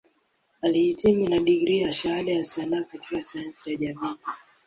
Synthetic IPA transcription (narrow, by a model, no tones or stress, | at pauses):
alihitʰiminaɗiɡɾiaʃahalɛjasanaɔkatikasajansijaʄamiː